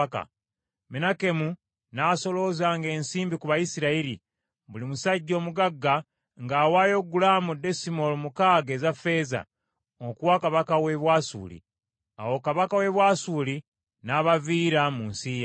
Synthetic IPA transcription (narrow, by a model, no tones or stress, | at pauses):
ka̰ | menake̞mu | naːso̞lo̞zaːŋɡe̞ːnsiːmbikuβajisiɾaiɾi | βulimusaɟːo̞ːmuɡaɡːa | ŋɡaːwaːjo̞ɡulamudːesimolomukaɡezafe̞za̰ | okuwakaβakawe̞βwaːsṵːlḭ | a̰wo̞kaβakawe̞βwaːsuli | naβaviːɾamunsiːja